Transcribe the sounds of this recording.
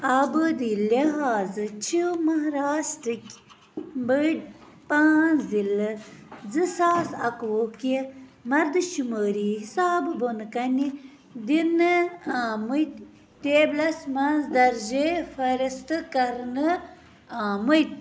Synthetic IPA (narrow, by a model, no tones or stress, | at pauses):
abɨd̪ileɦaːzɨt͡ʃʰiwmɐɦɾaːsʈɨkʲ | bəɖ | paːnzilɨzɨsaːsɐkwokemɐɾd̪ɨʃumoːɾiɦisaːbɨbonkɐni | d̪inɨamujt̪ | t̪eːblɐsmɐnzd̪ɐɾʒefɐɾist̪ɨkɐɾnɨ | amujt̪̚